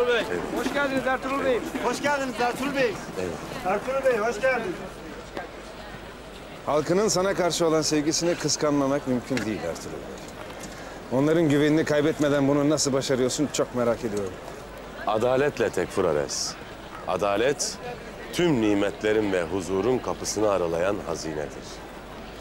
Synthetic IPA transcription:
ɛhoʃcælʲd̪inizæɾt̪ʰuɾulˠbejimhoʃcælʲd̪inizæɾt̪ʰuɾbejievɛ̰t̪æɾt̪ʰuɾˠbejihoʃcæld̪inz | halˠkɯnɯnsanakaɾʃɯo̞lˠansevɟisinikʰɯskʰanmamakmymcʰynd̪ijilʲæ̰ɾt̪ʰyɾṵlˠbḛj | o̞nlˠaɾɯnɟyveninikʰajbɛt̪me̞d̪ænbununasɯlˠbaʃaɾɯjo̞ɾsunt͡ʃʰo̞kmeɾaːce̞d̪ijo̞ɾum | ad̪aːlʲɛt̪lʲɛt̪ʰɛcfuɾa̰ɾɛ̰s | a̰d̪aːlʲɛt̪ʰː | ymnʲiːmɛt̪lʲeɾinvɛɦuzuːɾunkʰapɯsɯnɯaɾalˠajanɦaziːnɛ̰d̪ḭɾ̥

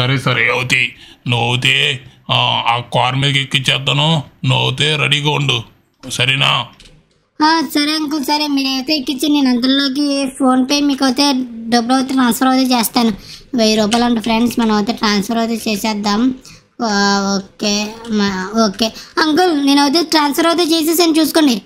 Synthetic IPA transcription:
sɐɾesɐɾeɐwt̪inuɐt̪̬eː | aːkaːɾmiːd̪ɐkekːit͡ʃːɛːd̪ːanunuɐwt̪eːɾɐɽiːɡaːuɳɖu | sɐɾinaː | aːsɐɾeɐŋkulsɐɾemiːnɐwt̪eikːit͡ʃːineːnɐnd̪ɐɾloːk̬ipʰoːnpeːjmiːkɐwt̪eːɖɐbːulɐwt̪eːʈɾaːnspʰɐɾɐwt̪eːt͡ʃeːst̪aːnuʋɐjɾuːp̬aːlɐɐɳʈupʰɾeɳɖsmɐnɐmɐwt̪eːʈɾaːnspʰɐɾɐwt̪et͡ʃeːsɛːd̪ːaːm | oːkeː | oːkeːɐŋkulneːnɐwt̪̬eʈɾaːnspʰɐɾɐwt̪̬et͡ʃeːs̬es̬ɐnit͡ʃuːsu̥koːɳɖi

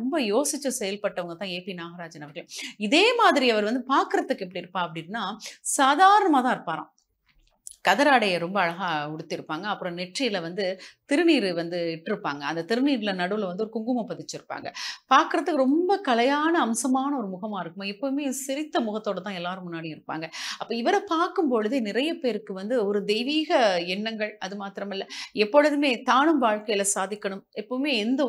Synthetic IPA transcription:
ɾɔmbɐjoːsɪt͡ʃːɐsɛjɐlpɐʈːɐʋɐŋɡɐt̪ãːeːpinaːɣɐɾaːd͡ʒɐnɐʋɐkɐlʊ̃ɪðeːmaːðɪɾiɐʋɐɾʋɐnd̪ɯpaːɾkɯɾɐðɯkːɛpːɐɽiɪɾɯpːaːɐpːɐɽɪnnːaːsaːðaːɾɐɳɐmaːt̪ãːɪɾɯpːaːɾã̰ː | kɐðɐɾaːɽɐjɐɾɔmbɐːɻɐɣaːɔɽɯt̪ːɪɾɯpːaːŋɡɐːpːɯɾɔ̃nɛʈrɪjɪlɐʋɐnd̪ɯt̪ɪɾɯniːɾɯʋɐnd̪ɯɪʈːɯɾɯpːaːŋɡɐɐnd̪ɐt̪ɪɾɯniːɾɪlɐnɐɽɯʋɯlʋɐnd̪ɯɔɾɯkʊŋɡɯmɐpɐðɪt͡ʃːɪɾɯpːa̰ːŋɡɐ̰paːɾkɪɾɐðɯkːɯɾɔmbɐkɐlɐjaːnɐːmsɐmaːnɐɔɾɯmʊɣɐmaːɪɾɯkːɯmoɛpːoːmeːsɪɾɪt̪ːɐmʊɣɐt̪ːoːɽɐt̪ːãːɛlːaːɾɯmːʊnːaːɽijɪɾɯpːa̰ːŋɡɐɐpːoːɪʋɐɾɐpaːɾkɯmpɔɻɯðɯnɪɾɐjɐpeːɾɯkːɯʋɐnd̪ɯɔɾɯd̪ɛjʋiːɣɐɛnːɐŋɡɐɭɐðɯmaːt̪ɪɾɐmɪlːɐɛpːɔɻɯðɯmeːt̪aːɳɯmʋaːɻkɐjɪlɐsaːðɪkːɐɳɯmɛpːoːmeːɪnd̪ɐ

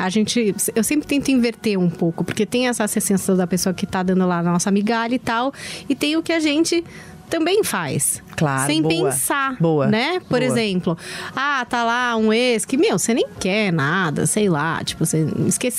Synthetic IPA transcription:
aʒẽnt͡ʃɪsewsẽmpɾɪt̪ẽt̪ĩveɾt̪eũpowkʊpoɾket̪ẽj̃ɛsɐasesẽsɐd̪ɐpesoɐkɪt̪ad̪ɐ̃nd̪ʊlaɐnɔsɐamiɡaʎɐɪt̪awɪt̪ẽj̃ʊkɪaʒẽnt͡ʃɪ | t̪ɐ̃mbẽj̃fajs | kla̰ẽj̃bpẽsaboɐnɛpoɾezzẽmplʊat̪alaũeskɪmewsenẽj̃kɛɾnad̪ɐ̰sejla̰t͡ʃi̥pʊsḛ̃ɪskes

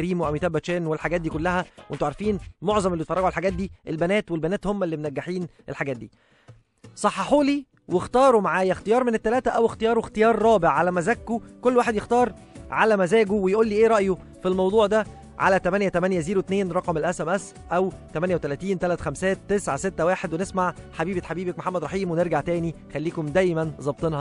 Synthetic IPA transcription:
ɾiːmwʔæwjet̪æːbːæt͡ʃæːnwelħaɡæːt̪d̪iːkolːæhæwʔent̪oʕaɾfiːnmoʕzˤɑmʔelːbet̪fɑˤrˤɑɡuʕalħaɡæːt̪̚d̪iːʔelbænæːt̪welbænæːt̪homːælːimenæɡːaħiːnʔḛlħaɡæːt̪̚d̪iː | sˤɑħːɑħuːliː | wext̪ɑːɾˤumaʕaːjæxt̪ejɑːɾˤmenet̪ːælæːt̪æʔæwext̪ejɑːɾˤowext̪ejɑːɾˤːɑːbeʕːalæmæzækːukolːwaːħed̪jext̪ɑːɾˤ | ʕalæmæzæːɡuwejʔuːlːiːʔeːɾˤɑʔjo | filmɑwd̪ˤuːʕd̪æ | ʕa̰læt̪æmænjæt̪æmænjæziːɾwet̪neːnɾˤɑqɑmelʔæsæmʔæs | ʔæwt̪æmænjæwet̪ælæːt̪iːnt̪ælæt̪xæmsæːt̪ːesʕaset̪ːæwaːħed̪wenesmaʕħabiːbæt̪ħabiːbæk̚moħamːæd̪ɾˤɑħiːmweneɾɡaʕt̪æːnixælːiːkomd̪æjmænzˤɑb̚t̪ˤenhɑ

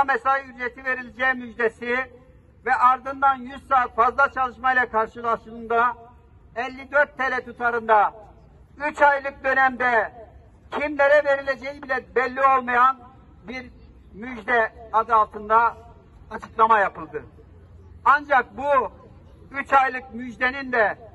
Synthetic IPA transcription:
amɛsajyɾet̪ʰive̞ɾilʲed͡ʒɛːmyd͡ʒd̪esi | vɛʔaɾd̪ɯnd̪anjyz̥saːt̪fazlˠat͡ʃʰalˠɯʃmailʲˠakʰaɾʃɯlˠaʃɯlˠɯnd̪a | ɛlʲːid̪øɾt̪ʰːelʲɛt̪ʰut̪ʰaɾɯnd̪a | yt͡ʃajlˠɯk̚d̪ø̞næmd̪ɛ | cʰimlʲeɾɛve̞ɾilʲe̞d͡ʒejibilʲɛbɛlʲːio̞lˠmajan | biɾ | myd͡ʒd̪ɛad̪ɯalˠt̪ʰɯnd̪aː | t͡ʃʰɯklˠamajapʰɯlˠd̪ɯ | and͡ʒak̚bu | yt͡ʃajlˠɯkmyd͡ʒd̪enind̪ɛ

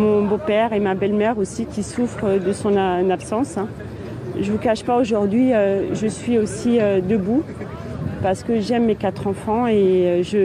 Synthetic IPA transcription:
mɔ̃bopɛʁemabɛlmɛʁosikʲisufχəd̪əsɔ̃nanapsɑ̃sɛ̃ | ʒəvukaʃpaoʒuʁd̪ɥiøʒəsɥiosiød̪əbu | paʁsə̥kəʒɛmːekat̪χɑ̃fɑ̃eøʒə

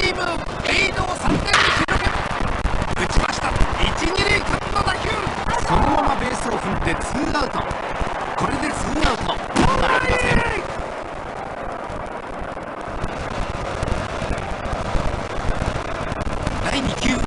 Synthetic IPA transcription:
imɯ | einoːsãnɡ̪eikʲiɾoke | ɯ̟t͡ɕibaɕi̥t̪ait͡ɕiɲʲiɾekʲat̪ːod̪akʲɯso̞noomamabe̞ːsɨohɯ̃nd̪e̞t͡sɨːɡaɯ̟t̪o̞̰ | ko̞ɾe̞d̪e̞t͡sɨːɡaɯ̟t̪o | e | d̪̥aiɲikʲɨː

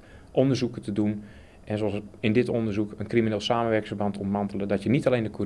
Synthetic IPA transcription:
ʔɔndərzukətədun | ʔɛnsoɑsɪndɪtondərzukənkrimineːlˠsaːməʋɛrkɪŋfərbɑntɔntmantələdɔtjənitaleːndəkʰu

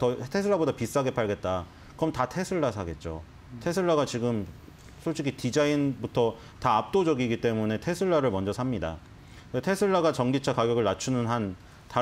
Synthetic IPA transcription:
tʌtʰe̞sʰɯɭːabodapis͈ɯɦaɡe̞pʰaɭɡe̞t̚t͈a | kɯɾʌmtatʰe̞sʰɯɭːasʰaɡe̞t̚t͡ɕ͈o̰ | tʰe̞sʰɯɭːaɡat͡ɕiɡɯm | sʰoɕʰiɡʰitid͡ʑainbutʰʌ | taːp̚t͈od͡ʑʌɡiɡit͈e̞mune̞tʰe̞sʰɯɭːaɾɯɭmʌnd͡ʑʌsʰamɲida̰ | tʰe̞sʰɯɭːaɡat͡ɕʌŋɡit͡ɕʰakaɡjʌɡɯɭnat͡ɕʰunɯnɦan | ta

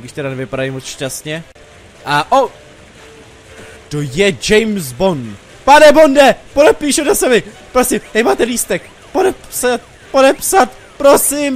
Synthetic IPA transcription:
biʃt̪ɛɾanɛvɪpadajmot͡sʃcast̪ɲɛ | ʔaʔo | t̪ojɛd͡ʒɛjmzbon | panɛbondɛpodɛpiːʃunasɛbɪpɾosimt̪amaːt̪ɛliːst̪ɛk̚ | podɛpsat̪̚ | po̞dɛpsat̪ | pɾo̞sim

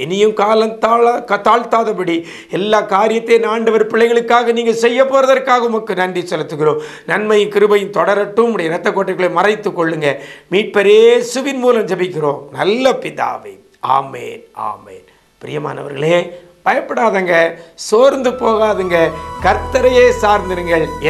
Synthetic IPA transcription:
ɛnɪjɯmkaːlɐt̪aːɐt̪aːɭt̪aːðɐpɐɽi | ɛlːaːkaːɾɪjɐt̪ːeːnaːɳɖɐʋɐɾpɪɭːɐɪɣɐɭɯkːaːɣɐniːŋɡɐsɛjːɐpːoːɾɐðɐɾkːaːɣɐʊmɐkːɯnɐɳɖisɔlːɐt̪ːɯkːɯɾõː | nɐnmɐjɯ̃mkɪɾɯbɐjɯ̃mt̪ɔɽɐɾɐʈːɯmʊɽɐjɐɾɐt̪ːɐkːoːʈːɐɪkːɯɭeːmɐrɐɪt̪ːɯkːɔɭːɯŋɡɐmiːʈ̚pɐɾeːsʊʋɪnmuːlɐmd͡ʒɐmɪkːɪɾõːnɐlːɐpɪða̰ːʋɐ̰ | a̰ːmḛːna̰ːmḛːn | pɪɾɪjɐma̰ːnɐ̰ʋɐ̰ɾɣɐɭeː | pɐjɐpːɐɽaːðaŋɡɐsoːɾnd̪ɯpoːɣaːðɯŋɡɐkɐɾt̪ːɐɾɐjeːsaːɾnd̪ɪɾɯŋɡɐɭ

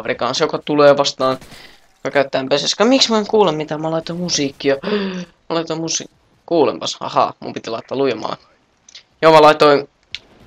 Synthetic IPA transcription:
ʋrikɑnsjokɑt̪uleːʋɑst̪ɑːn | jokɑkæyt̪ːæːmpeseskɑmiksmueŋkuːlemmit̪æmɑlɑit̪oimusiːkːijɑmɑlɑit̪oimusḭː | kuːlḛmpɑsɑ̰hɑ̰ːmṵmpit̪ilɑit̪ːɑːlujemɑ̰lḛ | jomɑlɑit̪oi

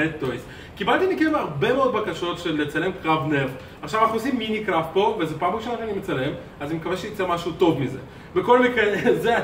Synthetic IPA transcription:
et̪ːojs | kibalt̪imekimaʁbemeod̪̚bakaʃo̞tʃelːet͡sale̞mkʁavnev | aχʃavanaχnuosimːinikʁaftpo̞vezepampokʃenaχianimet͡sale̞m | azanimekaveʃejit͡semaʃut̪o̞vmizḛ | veko̞lmikʁeze

